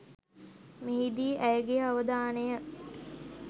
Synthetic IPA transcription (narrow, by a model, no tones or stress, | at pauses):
meɦid̪iːʔæjəɡejəaʋəd̪aːnejə